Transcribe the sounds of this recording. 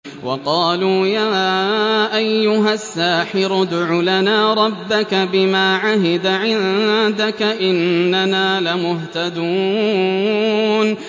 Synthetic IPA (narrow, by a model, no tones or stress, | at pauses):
wʔɑqɑːluːjaː | ʔajːʊɦasːaːħɪɾʊd̪ʕʊlanaːɾˤɑbːakabɪmaːʕaɦɪd̪aʕɪnd̪akaʔɪnːanaːlɪmʊɦt̪ad̪uː | n